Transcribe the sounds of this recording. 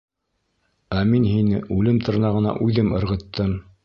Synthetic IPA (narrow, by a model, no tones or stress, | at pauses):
æminɦinɘ̰ʉlɘmt̪ʰɤ̆ɾnɑʁɤ̆nɑ̰ʔʉðɘmɤ̆ɾʁɤ̆t̪ʰːɤm